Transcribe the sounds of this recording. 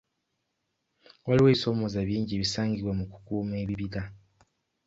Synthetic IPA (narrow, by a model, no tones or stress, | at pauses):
waliweːβiso̞mo̞zaβiːɲɟieβisaːŋɡiwamuku̥kuːme̞ːβiβiɡa